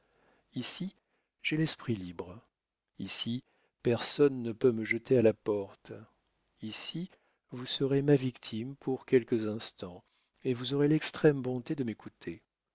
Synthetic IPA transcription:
isi | ʒ̥ɛlɛspχilibʁ | isi | pɛʁsɔnːəpøməʒət̪ealapɔʁt̪ | isi | vusəʁemavikt̪ʰimpʰuʁkʲɛlkəzɛ̃st̪ɑ̃ | evuzɔʁelɛkst̪χɛmbɔ̃t̪ed̪əmekut̪ʰe

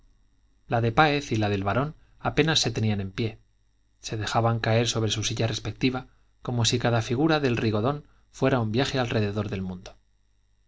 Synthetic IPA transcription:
laðe̞paeθilaðe̞lβaɾo̞n | ape̞nasːe̞t̪e̞nianẽ̞mpje̞ | se̞ð̞e̞xaβaŋkae̞ɾso̞β̞ɾe̞susiʝare̞spe̞k̚t̪iβa | ko̞mo̞sikaðafiɣ̞uɾaðe̞lrʔiɣo̞ðo̞n | fwe̞ɾaumbjaxe̞alre̞ðe̞ðo̞ɾðe̞lmũnd̪o

